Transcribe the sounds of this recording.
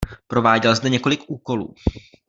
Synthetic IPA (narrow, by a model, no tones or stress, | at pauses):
pɾo̞vaːɟɛlzd̪ɛɲɛko̞lɪkʔuːko̞lṵː